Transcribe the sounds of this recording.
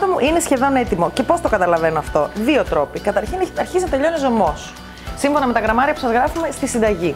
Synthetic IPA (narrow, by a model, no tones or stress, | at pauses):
d̪ɐmuʔine̞sçe̞ðo̞ne̞t̪imo̞ce̞po̞st̪o̞kɐt̪ɐlɐve̞noɐft̪o̞ðio̞t̪ɾo̞pikɐt̪ɐɾçineɐɾçiznɐt̪e̞ʎo̞nizo̞mo̞s | simɱfo̞nɐme̞t̪ɐɣɾɐmɐɾiɐpu̥sθɐzɣɾɐfume̞st̪isind̪ɐʝi